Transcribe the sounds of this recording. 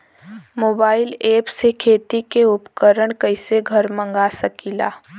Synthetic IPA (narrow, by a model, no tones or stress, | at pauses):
moːbaːɪleːpsekʰeːt̪ikeʊpkəɾəɽ̃kɐɪseɡʱəɾmə̃ŋɡasəkila̰ː